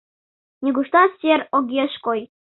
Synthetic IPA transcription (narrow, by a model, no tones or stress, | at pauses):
nʲiɡuʂt̪ɑsʲerʲoɡʲeʃkoj